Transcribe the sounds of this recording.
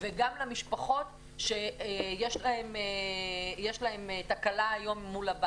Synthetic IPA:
veɡamlamiʃpaχo̞t | ʃe̞jeʃlahemejeʃlae̞metakalaːjo̞mːulaba

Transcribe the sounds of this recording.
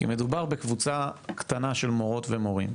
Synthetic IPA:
ḭmed̪ubaʁbekvut͡sakt̪anaʃelmo̞ʁo̞t̪vemo̞ʁḭm

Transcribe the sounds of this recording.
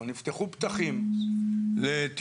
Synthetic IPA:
nift̪eχupt̪aχim | let̪

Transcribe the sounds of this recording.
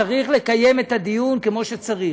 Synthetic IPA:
aʁiχle̞kaje̞met̪ad̪ijunkemo̞ʃet͡saʁi

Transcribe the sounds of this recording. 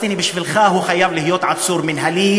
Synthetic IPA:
t̪inibɪʃfɪlxaːɦuːxajːaːmlɪhjoːt̪ʕat̪suːɾmɪnɦaliː

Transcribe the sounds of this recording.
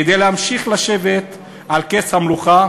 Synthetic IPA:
ed̪ejleamʃiχlaʃe̞vet̪ | alkeshamluχa

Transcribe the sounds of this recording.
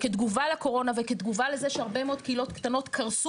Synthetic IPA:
ked̪ɡuvalako̞ʁo̞naveked̪ɡuvalezeʃeaʁbe̞meod̪keilo̞t̪kt̪ano̞t̪kʰaʁs

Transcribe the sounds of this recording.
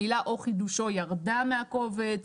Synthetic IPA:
ilaʔo̞χid̪uʃojaʁdameako̞vet͡s

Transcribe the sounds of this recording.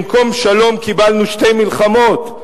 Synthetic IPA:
mko̞mʃalo̞mkibalnuʃte̞jmilχamo̞t̪

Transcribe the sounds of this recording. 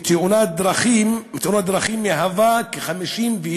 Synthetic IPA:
t̪ʰeunat̚d̪ɾaχimmt̪eunat̪̚d̪ɾaχimːiaɦavakeχamiʃimve

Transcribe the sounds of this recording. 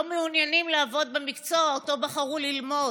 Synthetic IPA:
omeunjanimleavo̞d̪bemikt͡so̞aoto̞baχaʁulilmo̞

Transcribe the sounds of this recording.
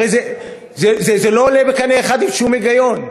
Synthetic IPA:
ejze | zezezeloːlebekaneːχad̪imʃumeɡajo̞n

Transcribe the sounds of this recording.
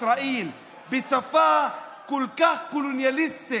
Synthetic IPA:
ɾaːʔiːl | bɪsafaːkʊlkahkʊlunjalɪst̪ɪ

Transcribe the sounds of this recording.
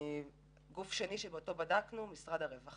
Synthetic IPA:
ɡufʃeniʃebeoto̞badaknumisʁadaʁevaχ

